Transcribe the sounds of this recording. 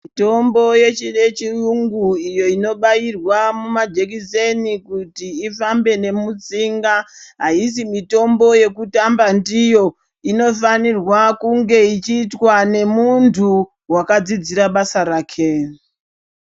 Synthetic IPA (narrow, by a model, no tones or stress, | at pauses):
mito̞mbo̞je̞t͡ʃiɗe̞t͡ʃiuŋɡuijo̞ino̞ɓajirwamumad͡ʒe̞k̬ise̞nikutiːfambe̞ne̞mut͡siŋɡaɦais̬imito̞mbo̞je̞kutambandijo̞ | ino̞fanirwakuŋɡe̞it͡ʃiːtwane̞muntʰu | wakad͡zid͡ziɾaɓasaɾaːkʰe̞